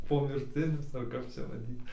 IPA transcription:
poːmʲɪrʲˈtʲɪnʲʊs ɐr ˈkɐp t͡ʃʲɛ ʋɐˈdʲiːt

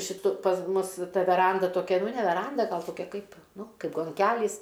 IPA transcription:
ʃʲɪˈtʊ pɐs ˈmʊs ˈtɐ ʋʲɛˈrɐndɐ toːˈkʲɛ ˈnʊ nʲɛ ʋʲɛˈrɐndɐ ˈɡɐlˠ toːˈkʲɛ ˈkɐɪp ˈnʊ ˈkɐɪp ɡoːŋʲˈkʲælʲiːs

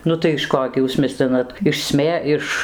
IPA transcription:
ˈnʊ tɐɪ ɪʃ ˈkoː ɡʲɪ ˈjuːs ˈmʲɪsʲlʲɪnɐt ɪʃ ˈsʲmʲeː ɪʃ

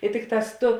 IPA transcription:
ɪ ˈtʲɪkˌtɑːs ˈtʊ

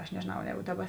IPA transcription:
ɐʃ nʲɛʒʲeːˈnɐʊ ˈjɛːɡʊ ˈdɑːˌbɐ

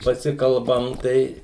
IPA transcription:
pɐˈsʲɪkɐlˠbɐm ˈtɐɪ

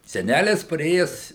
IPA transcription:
sʲɛˈnʲælʲɪs pɐˈrʲeːjɛs

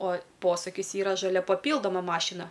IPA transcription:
oː ˈpoːsʊkʲɪs ˈiːrɐ ʒɐˈlʲɛ pɐˈpʲiːlˠdoːmɐ ˈmɑːʃʲɪnɐ

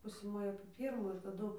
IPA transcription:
ˈpʊsʲeː ˈmoːjɛ ɐpʲeː ˈpʲiːrmuː ɪr tɐˈdʊ

